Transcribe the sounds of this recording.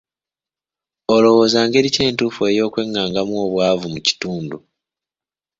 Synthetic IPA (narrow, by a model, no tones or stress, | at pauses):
olo̞wo̞ːzaːŋɡe̞ɾice̞ːntuːfue̞jo̞ːkwe̞ŋːaːŋɡamwo̞ːβwaːvumuci̥tuːndu